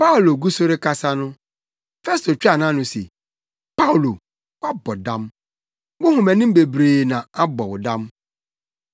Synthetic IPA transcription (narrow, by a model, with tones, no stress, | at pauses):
pa˦u˨lo˨ɡu˦sʊ˦ɾɪ˦ka˦sa˦nʊ̃˦ | fɛ˦stʰo˨t͡ɕᶣa˨nã˦nʊ̃˦sḛ˨ | pa˦u˨lo˨ | wa˦bɔ˨dã˦m | wʊ˦hʊ̃˨mæ̃˨nɪ̃˦m̩˦be˨bɾeː˨nã˨a˦bɔ˨wʊ˨dã˦m